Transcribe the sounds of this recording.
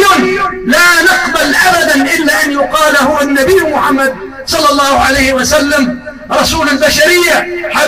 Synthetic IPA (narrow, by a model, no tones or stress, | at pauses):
nlaːnɪqbalʔabad̪anʔɪlːaːʔanjʊqɑːlhʊwanːabɪjːmʊħamːad̪̚ | sˤɑlːɑlˤːɑːhʊʕalajhɪwasalːam | ɾˤɑsuːlalbaʃaɾɪjːaħa